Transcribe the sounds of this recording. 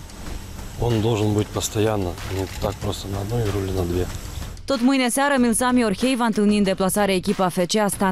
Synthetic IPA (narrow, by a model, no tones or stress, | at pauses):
o̞nd̪o̞lˠʐɨnbɨtʲpəst̪ɐjanːənʲɪt̪ak̚pɾo̞st̪ənɐːd̪no̞jrulʲɪnɐd̪vʲe | t̪o̞t̪mɨjneseaɾəmʲilsamʲiorxe̞jvant̪ɨlˠnind̪e̞plasaɾeaekʲipəafet͡ʃeast̪a